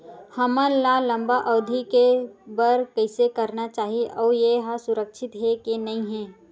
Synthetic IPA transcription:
hɐmə̃laːlɐ̃mbaʔɔːd̪ʱikebɐɾkɐɪsekɐɾnat͡ʃaːɦieʔɔːjeɦasʊɾəkʃʰɪt̪ɦekenɐĩɦɛ̃ː

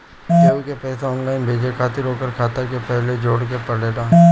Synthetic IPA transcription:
d͡ʒeːkepɛːseɔ̃ːnlaːɪnbʱeːd͡ʒekʰaːt̪ɪɾɦoːkəɾkʰaːt̪əɾkepɛɦled͡ʒoːɽkepɐleːɖaː

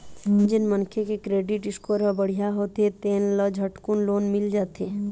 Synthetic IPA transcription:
d͡ʒɪnmənkʰekekɾeːɖɪʈɪskoːɾabəɽ̤ijaɦoːt̪et̪eːnlɔd͡ʒʱəʈkunloːnmɪld͡ʒaːt̪eː

